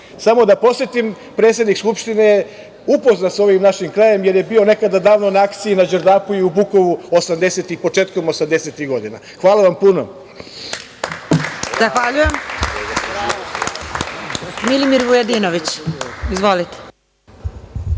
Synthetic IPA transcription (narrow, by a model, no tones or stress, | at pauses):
samo̞d̪apo̞sjet̪im | pɾeːt̪sjed̪nikskupʃt̪ine | upo̞znat̪so̞ʋimnaʃimklejemje̞ɾje̞bio̞ne̞kad̪ad̪aːʋno̞naakt̪siinad͡ʒeɾd̪aːpuiubukoʋuosamd̪eset̪ixpo̞t͡ʃeːt̪ko̞mo̞samd̪eset̪iɣɡo̞d̪ina̰ | xʋaːlˠaʋampuno̰ | zaxʋaʎujem | milimiɾʋujed̪iːnoʋit͡ɕizʋolit̪e̥